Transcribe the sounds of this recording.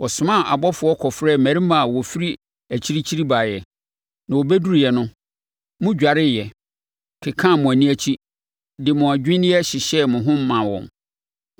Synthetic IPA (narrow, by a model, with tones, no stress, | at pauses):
wɔ˨sʊ˨mã˦˨ʔa̰˨bɔ˦fʊ˨˦ɔ˦kʰɔ˨fɾɛ˦˨mæ̃˨ɾi˦mã˨wɔ˨fi˦ɾi˦ | æ˨t͡ɕʰi˦ɾi˦t͡ɕʰi˦ɾi˦ba˨jɛ̰˨ | nã˨wo˨bɛ˦du˦ɾu˨jɛ˨nʊ̃˦ | mʊ̃˦d͡ʑᶣa˨ɾɪ˦jɛ˨ | kʰɪ˨kʰã˦˨mʊ̃˨æ˨nĩ˦æ˦t͡ɕʰi˦ | dɪ˨mʊ̃˨æ˨d͡ʑᶣɪ̃˦nɪ̃˦jɛ˦ɕɪ˨ɕɛ˦˨mʊ̃˨ɦʊ̃˦m˦mã˨wɔ̰̃˨n